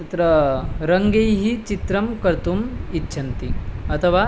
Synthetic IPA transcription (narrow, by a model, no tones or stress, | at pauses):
t̪ɾɐɾɐŋɡejɦit͡ʃit̪ɾɐmkɐɾt̪umitːɕʰɐnt̪iɐt̪ʰɐʋa